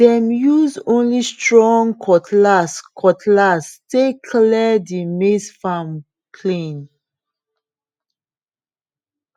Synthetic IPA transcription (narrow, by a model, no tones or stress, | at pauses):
dɛ̃mjuzõnlistɹɔ̃ŋkʰɔtʰlaskʰɔtʰlastekʰlidimesfam | pʰlẽn